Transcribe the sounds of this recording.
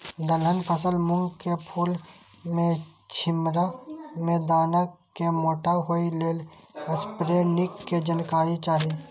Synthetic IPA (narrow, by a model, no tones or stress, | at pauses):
d̪əlɦənpʰəsəlmʊ̃ŋɡkepʰuːlmẽt͡ʃʰɪmɾamẽd̪aːnakemoːʈaɦoileːləspɾeːnɪkːed͡ʒənkaːɾit͡ʃaːɦii